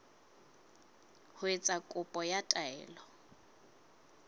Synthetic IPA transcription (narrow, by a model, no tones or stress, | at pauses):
hʊet͡sʼakʼʊpʼɔjatʼaɛːlɔ